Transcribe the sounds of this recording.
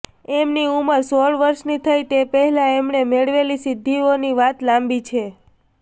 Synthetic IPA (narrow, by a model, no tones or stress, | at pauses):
emniuməɾsoɭʋəɾʃnit̪ʰəjt̪epəɦɛlãemnemeɭʋelisɪd̪ʱːioniʋat̪lambit͡ʃʰe